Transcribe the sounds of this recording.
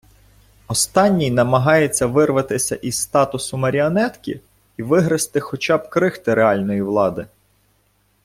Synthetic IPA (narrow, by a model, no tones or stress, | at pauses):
ɔst̪ɑnʲːijnɐmɐɦɑjet͡sʲːɐʋɪrʋɐt̪ɪsʲɐ̰ʔizsːt̪ɑt̪ʊsʊmɐɾʲiɔnɛt̪kʲḭ | iʋɪɦɾɐst̪ɪxɔt͡ʃɑb̚kɾɪxt̪ɪɾeɑlʲnɔjiʋlˠɑd̪ɪ